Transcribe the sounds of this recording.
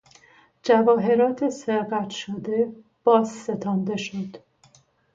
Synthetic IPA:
d͡ʒævɒːɦe̞ɾɒːt̪ʰe̞seɾɣæt̪ʰʃod̪e̞ | b̥ɒːzse̞t̪ʰɒːnd̪e̞ʃo̞d̪̥

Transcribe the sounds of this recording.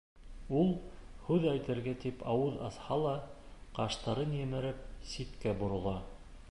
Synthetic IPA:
ulˠhʉðæjt̪ɘ̆ɾɡæt̪ipʰɑwɤðɑ̰shɑlˠɑqɑʃt̪ɑɾɤnjɘ̆mɘ̆ɾɘp̚sit̪kæbŏɾŏlˠɑ

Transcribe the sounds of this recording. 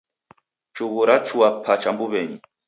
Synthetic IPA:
t͡ʃuɣuɾat͡ʃuapʰat͡ʃambuβɛɲi

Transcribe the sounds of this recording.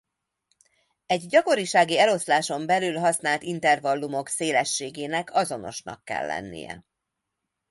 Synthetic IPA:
ɛɟɟɒko̞ɾiʃaːɡiɛlo̞st̪laːʃo̞mbɛlylɦɒsnaːlt̪int̪ɛrvɒlːumo̞kseːlɛʃːeːɡeːnɛkʰɒzo̞no̞̰ʃnɒ̰kːɛ̰lːɛ̰nːḭjɛ̰

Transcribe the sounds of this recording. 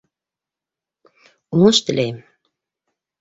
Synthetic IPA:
uŋɤʃt̪ɘ̆lʲejm

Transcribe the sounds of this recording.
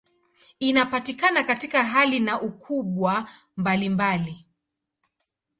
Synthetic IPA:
inapatikanakatikaɦalinaʔukʰuɓwa | mbalimbali

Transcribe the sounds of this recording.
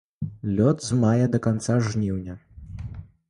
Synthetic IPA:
lʲɔt̪zmajɛd̪ɐkant̪saʐnʲiwnʲɐ

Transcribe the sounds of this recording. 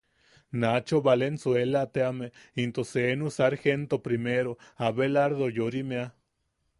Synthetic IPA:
nat͡ʃoβalenswelat̪eameint̪oseːnusaɾxent̪opɾimeɾoaβelaɾðojoɾimea

